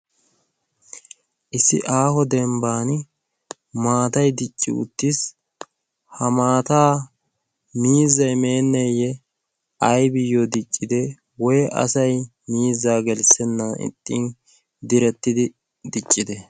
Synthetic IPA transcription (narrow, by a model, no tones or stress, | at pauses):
ʔɪsːɪ̰ʔaːhɔd̪ɛmbaːn | maːt̪ɐjd̪ɪt͡ʃʼːɪ̰ʊ̰t̪ːis | hɐmaːt̪aː | miːzːɐjme̞ːnːɛjɛ | ʔɐjbɪjːɔd̪ɪt͡ʃʼːɪd̪ɛ | wɔjʔɐ̰sɐj | miːzːaːɡɛlsɛnːɐɪ̰t̪ʼːiːn | d̪ɪɾɛt̪ːɪd̪ɪ | d̪ɪt͡ʃʼːɪd̪ɛ